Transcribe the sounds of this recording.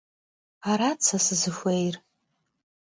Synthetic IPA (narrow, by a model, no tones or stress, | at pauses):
aɾat͡sʰasɨzɨʃʷejr